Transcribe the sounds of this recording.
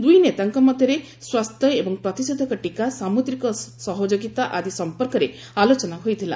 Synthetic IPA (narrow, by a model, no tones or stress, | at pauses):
d̪ujnet̪aŋkɔmɔd̪ʱjɔɾe | swast̪ʰjɔebɔŋpɾɔt̪isɔd̪ʱɔkɔʈikasamud̪ɾikɔsɔɦod͡ʒoɡit̪aʔad̪isɔmpɔɾkɔɾe | alot͡ʃɔnaɦojt̪ʰila̰